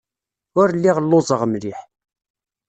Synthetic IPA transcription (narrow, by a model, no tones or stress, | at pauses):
ʊɾlːiʁəlːʊzˤəʁmɾiħ